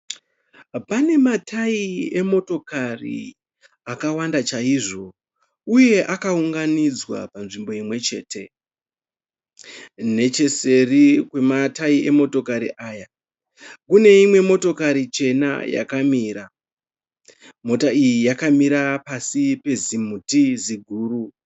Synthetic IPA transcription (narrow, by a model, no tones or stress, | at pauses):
pane̞matʰaie̞mo̞to̞karḭ | akawandat͡ʃaiʐo̞ | uje̞ʔakauŋɡanid͡zwa̰panʐimbo̞imwe̞t͡ʃe̞ːte̞ | ne̞t͡ʃe̞se̞rikwe̞mataiʔe̞mo̞to̞kaɾḭʔaːja | kune̞imwe̞mo̞to̞kaɾit͡ʃe̞na̰ja̰kamiːɾa | mo̞taijijakamiɾapasipe̞zimutiziɡʱuːru